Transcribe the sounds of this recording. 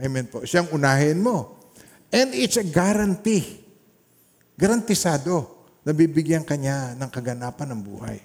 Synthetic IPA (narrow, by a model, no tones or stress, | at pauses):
ʔɐjmɛnpoʔʃaŋʊnaːɦɪnmo̞ | ʔɛnd̪ɪt̪sɐɡaɾɐnt̪i | ɡɐɾɐnt̪ɪsaːd̪o̞ | nɐbibɪɡjaŋkɐɲanɐŋkɐɡɐnaːpɐnːɐŋbṵːha̰j